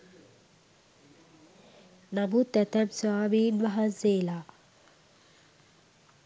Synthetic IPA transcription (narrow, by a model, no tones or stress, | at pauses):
nɐbut̪ɛt̪ɛbswaːbidʋaɦazeːla